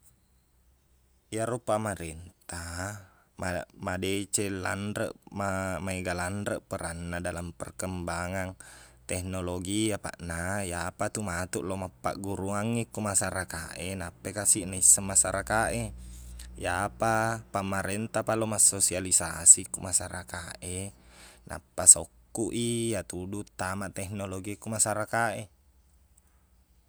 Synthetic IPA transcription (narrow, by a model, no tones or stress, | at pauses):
jaɾupamaɾɛnt̪a | mamadet͡ʃela̰ndɾə̰ʔmamaiɡalandəʔpəɾanːadalampərkəmbaŋant̪ɛhnoloɡiapa̰ʔnajapat̪umat̪uʔlomapːa̰ʔɡuɾuaŋːikːumasaɾakaʔenapːekasiʔnaisːamasaɾakaʔe | japapamaɾent̪apalomasosialisasikumasaɾakaʔe | nʔa̰pːasokːuʔijat̪udut̪ːamaʔt̪ɛhnoloɡiakumasaɾakaʔe